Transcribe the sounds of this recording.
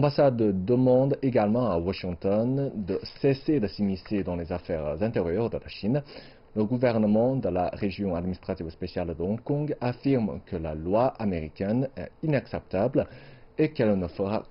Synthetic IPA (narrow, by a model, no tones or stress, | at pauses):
ɑ̃basad̪d̪əmɑ̃d̪eɡalmɑ̃awaʃĩŋt̪ɔnd̪əsesed̪əsimised̪ɑ̃lezafɛʁzɛ̃t̪eʁjœʁd̪əlaʃin | ləɡuvɛʁnəmɑ̃d̪əla̰ʁeʒjɔ̃ad̪minist̪χat̪ivspesjald̪əɔ̃kɔ̃ɡafiʁmkəlalwaʔameʁikʲɛnɛ̰inaksɛp̚t̪ablekɛlnəfəʁa̰